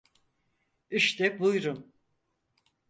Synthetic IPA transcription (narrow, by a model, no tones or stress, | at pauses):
iʃt̪ʰɛbujɾum